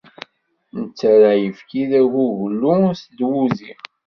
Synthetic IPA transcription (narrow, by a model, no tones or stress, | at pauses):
nət͡sːɾajəfkiðæʝuʝlːusd̪wuziʁ